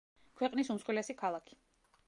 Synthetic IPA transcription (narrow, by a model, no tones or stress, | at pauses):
kʰwɛqʼnisumsqʼwɛlɛsikʰalˠakʰi̥